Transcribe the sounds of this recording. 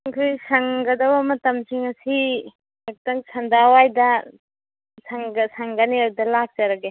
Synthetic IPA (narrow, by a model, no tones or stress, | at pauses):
ŋkʰɯjsaŋɡad̪awamɐtamt͡ʃiŋɐsi | ak̚t̪aŋsʰandawajda | saŋasaŋɡaniadɐlak̚t͡ʃaɾaɡe